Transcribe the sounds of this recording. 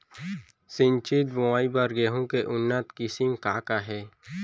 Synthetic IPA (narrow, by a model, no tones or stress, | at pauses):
sɪnt͡ʃid̪bõaːibəɾɡeːɦũkeʔʊnːət̪kɪsɪmkaːkaɦɛː